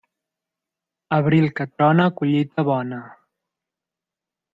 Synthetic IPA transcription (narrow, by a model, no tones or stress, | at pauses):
əβɾilˠkət̪ɾɔnəkuʎit̪əβɔnə